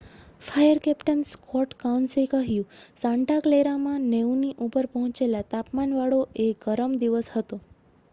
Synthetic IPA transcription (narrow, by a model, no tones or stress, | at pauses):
fʰajəɾkɛpʈənskɔʈkawnsekəɦjũsãɳʈakleɾamãneuniʔupəɾpəɦɔ̃t͡ʃelat̪apmanʋaɭoʔeɡəɾəmd̪iʋəshət̪o